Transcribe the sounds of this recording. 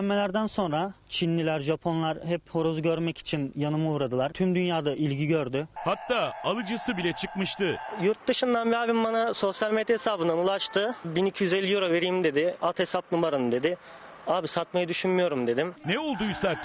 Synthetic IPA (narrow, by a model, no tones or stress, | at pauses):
ɛmːelʲæɾd̪ænso̞nɾat͡ʃʰinːʲilʲæɾʒapʰo̞nlˠaɾhɛpho̞ɾozɟøɾmɛci̥t͡ʃʰinjanɯmauːɾad̪ɯlˠaɾt̪ʰymd̪ynjaːd̪aʔilʲɟiɟøɾd̪yhat̪ːaːalˠɯd͡ʒɯsɯbilʲɛt͡ʃʰɯkmɯʃt̪ʰɯjuɾt̪̚d̪ɯʃɯnd̪anbiaːbimbanaso̞sjalʲme̞d̪jehesaːbɯnanulˠaʃt̪ɯbinicʰijyzelʲijoɾave̞ɾijimd̪e̞d̪ɪalˠt̪he̞sap̚numaɾɯnɯd̪e̞d̪ɪ | aːbisat̪majad̪yʃynmyjo̞ɾumd̪e̞d̪imnɛolˠd̪ujsa